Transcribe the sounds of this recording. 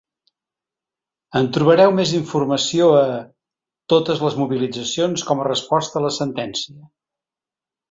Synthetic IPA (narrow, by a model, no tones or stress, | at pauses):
ənt̪ɾuβəɾɛwmeziɱfurməsioə | t̪ot̪əzləzmuβilid͡zəsionskɔmərəspɔst̪əːləsənt̪ɛnsiə